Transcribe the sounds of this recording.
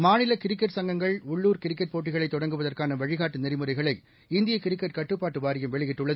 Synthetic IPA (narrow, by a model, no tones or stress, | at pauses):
maːnɪlɐkɪɾɪkːɐʈsɐŋɡɐŋɡɐɭʊɭːuːɾkɪɾɪkːɐʈ̚poːʈːɪɣɐɭɐɪt̪ːɔɽɐŋɡɯʋɐðɐrkaːnɐʋɐɻɪɣaːʈːɯnɛɾɪmɯɾɐɪɣɐɭɐɪ | ɪnd̪ɪjɐkɪɾɪkːɐʈkɐʈːɯpːaːʈːɯʋaːɾɪjɐmʋɛɭɪɣɪʈːɯɭːɐð